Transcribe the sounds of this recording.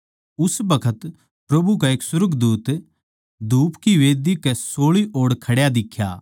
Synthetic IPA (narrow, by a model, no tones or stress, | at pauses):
ʊsbɐkʰət̪ | pɾɐbukaeːksʊɾəkd̪uːt̪ | d̪uːpkiʋeːd̪ikɛsoːɭiʔoːɽkʰɐɽjad̪ɪkʰja̰ː